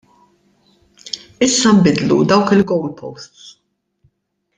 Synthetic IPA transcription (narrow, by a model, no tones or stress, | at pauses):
ɪsːɐmbɪd̪lṵd̪ɐwkɪlɡɔwlpʰɔ̰wst̪s